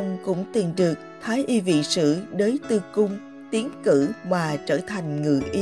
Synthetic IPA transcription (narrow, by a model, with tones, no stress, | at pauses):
wŋ͡mkʊ̰˧˥ŋ͡mt̪i˨˩nɗɨ˨˩ək̚t̪ʰaː˨˦jʔi˧vḭ˧˨sɨ̰˧˥ɗəː˨˦jt̪ɨ˨˩kʊ˧ŋ͡m | t̪i˨˦ənkɨ̰˧˥vaː˨˩t͡ɕəː˧˩t̪ʰa˨˩jŋ̟ŋɨ̰˧˨ʔi˧